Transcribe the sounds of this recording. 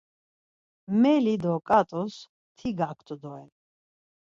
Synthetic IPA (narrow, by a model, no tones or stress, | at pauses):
mɛlid̪ɔkʼat̪ʼus | t̪ʰiɡakʰt̪ʰʼud̪ɔɛ